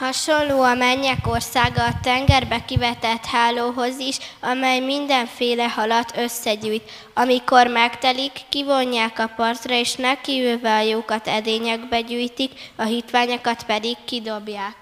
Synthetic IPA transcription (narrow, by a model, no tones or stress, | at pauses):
hɒʃo̞nloːɒmɛɲːɛko̞rsaːɡɒːt̪ɛŋɡɛrbɛkivɛt̪ɛt̪haːloːɦo̞ziʃɒmɛjmind̪ɛɱfeːlɛhɒlɒt̪ʰøsːɛɟyːjt̪ | ɒmiko̞rmɛkt̪ɛlikːivo̞ɲːaːkɒpɒrt̪rɒeːʃnɛkivøːvɛɒjoːkɒt̪ɛd̪eːɲɛɡbɛɟyːjt̪ikɒɦit̪ʋaːɲokɒt̪pɛd̪ikːid̪o̞bjaːk